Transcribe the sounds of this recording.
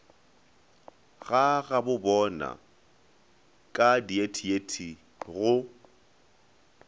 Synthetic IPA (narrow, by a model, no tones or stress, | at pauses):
ɣaɣabʊbɔna̰ | kʼadietʰietʰi | ɣʊ